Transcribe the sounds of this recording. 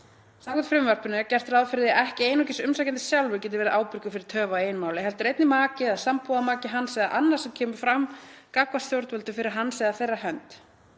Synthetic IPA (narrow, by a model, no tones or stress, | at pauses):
saːkʏt̪fɾɪmvœɾ̥pʏnɪcɛr̥t̪raðfɪɾðɪʔɛhcɪeːjnɔcɪsʏmsajcɛnt̪ɪ̥sjawlvʏcɛːt̪ɪɾvɛɾʔaːwpɪɾkʏfɪɾɪɾ̥t̪ʰœːvaeːjnmaːwlɪɦɛlt̪ʏɾejt̪nɪmaːcɪðaðsampuːðamaːcɪɦansɛːɣðaʔanːar̥sɛmcʰɛːmʏ̥fɾamkakvastθjowɾt̪vœlt̪ʏfɪɾɪɾ̥ɦanːsɛːɣðaθejrːaɦœnt̪